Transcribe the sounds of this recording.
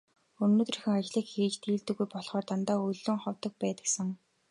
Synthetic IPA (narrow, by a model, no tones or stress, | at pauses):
ɵnoːt̪rixɘ̆ŋat͡ɕɮiːkxiːt͡ɕt̪ʰiːɮt̪ɘ̆ɣujpɔɮχɔːrt̪ant̪aːɵɮɵ̆ŋχɔwt̪ə̆k̚pæːt̪ə̆ksə̆ŋ